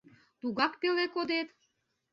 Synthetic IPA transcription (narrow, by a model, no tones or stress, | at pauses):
t̪uɣɑkpelekod̪et̪